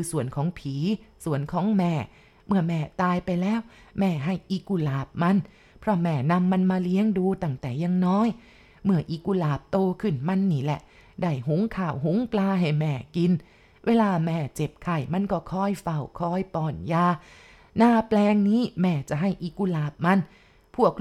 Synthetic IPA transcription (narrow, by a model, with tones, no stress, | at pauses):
kʰɯː˧su˨˩ənkʰɔː˨˦ŋpʰiː˨˦su˨˩˦ənkʰɔː˨˦ŋmɛː˨˩ | mɯ˧˩ɐmɛː˨˩t̪aː˧jpa˧jlɛː˦˥˨w | mɛː˧˩ɦa˧˩jʔi˧ku˧˩laː˨˩p̚ma˧n | pʰɾɔ˦˥mɛː˧˩na˧mːa˧nmaː˧li˦˥əŋduː˧t̪a˧˩ŋt̪ɛː˨˩jaː˧ŋnɔː˦˥˨j | mɯ˧˩ɐʔi˧˩ku˧laː˨˩p̚t̪oː˧kʰɯ˧˩nma˧˥nːiː˧˩lɛ˨˧˩ʔ | da˧˩jɦu˨˦ŋkʰaː˨˩wɦu˨˦ŋplaː˧ɦa˨˩jmɛː˨˩ki˧n | weː˧laː˧mɛː˧˩t͡ɕe˨˩p̚kʰa˨˩jma˧˨nkɔː˧˩kʰɔː˧˥˩jfa˨˩wkʰɔː˧˩jpɔː˨˩njaː˧ | naː˧˩plɛː˧ŋniː˦˥˩mɛː˧˩t͡ɕa˨˩ɦa˧˥˩jʔi˧ku˧˩laː˨˩p̚ma˧n | pʰu˥˩ək̚